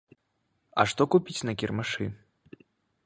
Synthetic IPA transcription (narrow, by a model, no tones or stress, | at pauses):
ɐ̰ʂt̪ɔkupʲit͡sʲnɐkʲirmaʂɨ